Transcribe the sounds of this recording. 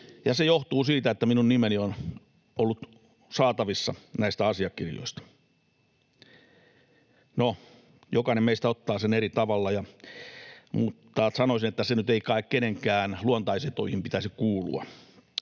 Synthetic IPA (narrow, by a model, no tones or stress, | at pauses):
jɑsejoht̪uːsiːt̪æet̪ːæminunnimenion | ʔolːut̪ | sɑːt̪ɑʋisːɑnæist̪æɑsiɑkːirjo̰ist̪ɑ̥ | no | jokɑinemeist̪æot̪ːɑːseneɾit̪ɑʋɑlːɑjɑ | mut̪ːɑːt̪sɑnoisinet̪ːæsenyt̪eikɑekkeneŋkæːnluont̪ɑiset̪oihimpit̪æsikkuːlṵɑ̰